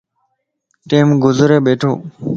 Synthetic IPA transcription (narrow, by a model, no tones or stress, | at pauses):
ʈeːmɡʊzɾeːbeːʈʰo̰ː